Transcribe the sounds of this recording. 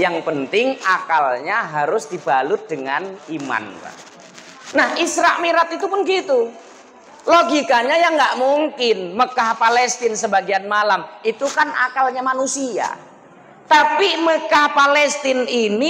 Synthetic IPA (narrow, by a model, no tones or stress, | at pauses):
jaŋpənt̪ɪŋakalɲaɦaɾʊsd̥ibalʊt̪̚d̥əŋanima̰nba̰ | nahʔisɾaʔmiɾat̪it̪upʊnɡit̪u | loɡikaɲajaŋɡaʔmuŋkɪnməkahpalɛst̪ɪnsəbaɡianmalamit̪ukana̰kalɲamanusia̰ | t̪apiməkahpalɛst̪ɪnini